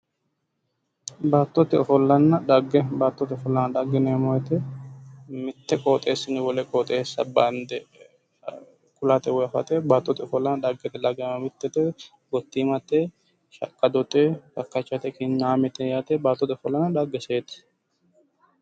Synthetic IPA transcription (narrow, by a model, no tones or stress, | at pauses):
baːt̪ːɔt̪ɪɔfɔlːɐnːɐᶑɐɡːɛbaːt̪ːɔt̪ɪɔfɔlːɐnːɐᶑ̪ɐɡːɛneːmɔjɛt̪ɛ | mɪt̪ːɛkʼoːt̪ʼeːsːɪnɪwɔlɛkʼoːt̪ʼeːsːɐ̰band̪ɛ | kʊlat̪ɛwɔɐfɐ̰t̪ɛbaːt̪ːɔt̪ɪɔfɔlːɐnɐᶑ̪ɐɡːɛt̪ɛlɐɡɛmɐmɪt̪ːɛt̪ɛ | ɡɔt̪ːiːmɐt̪e | ʃɐ̰kʼːɐd̪ɔt̪ʼek̪ɐkːɐt͡ʃːɐt̪ɛkɪɲːaːmɛt̪ɛjat̪eːbaːt̪ːɔt̪ɛɔfɔlːɐnːɐᶑ̪ɐɡːɛseːt̪ɛ̥